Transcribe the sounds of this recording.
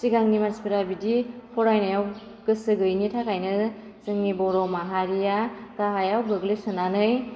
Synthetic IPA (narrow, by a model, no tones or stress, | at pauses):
siɡaŋnimanspiɾabidipʰɔɾajnajaw | ɡɯsɯɡɯjnitʰakajnɯ | sɯŋnibɔɾɔwmaɦaɾijakaɦajawbɯɡlɯsɯnanɯj